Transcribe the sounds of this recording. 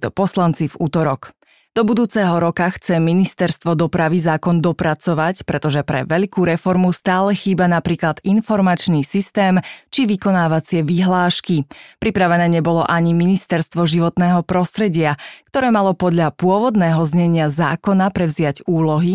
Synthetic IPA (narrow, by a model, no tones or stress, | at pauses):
t̪ɔpɔslant͡sivuːt̪ɔɾɔk | d̪̥ɔbud̪uːt͡sɛɦɔɾɔkaxt͡sɛminist̪ɛɾst̪ʋɔd̪ɔpɾaʋizaːkɔnd̪ɔpɾat͡sɔʋacpɾɛt̪ɔʒɛpɾɛ̰ʋɛʎkuːɾɛfɔɾmust̪aːlɛxiːbanapɾiːklad̪̥infɔɾmat͡ʃnisist̪ɛːmt͡ʃiʋikɔnaːʋat͡sɪɛʋiɦlaːʃkipɾipɾaʋɛnɛːɲɛbɔlɔʔaɲiminist̪ɛɾst̪ʋɔʒiʋɔt̪nɛːɦɔpɾɔst̪ɾɛɟɪak̚t̪ɔɾɛːmalɔpɔd̪ʎapʊɔʋɔd̪nɛːɦɔzɲɛɲɪaza̰ːkɔnapɾɛʋzɪaɟuːlɔɦi